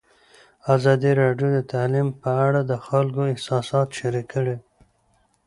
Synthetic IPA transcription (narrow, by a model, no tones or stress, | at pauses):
azɑd̪iɾɑɖjod̪ət̪alimpəaɽad̪əxalkoɪhsɑsɑt̪ʃaɾikːəɽe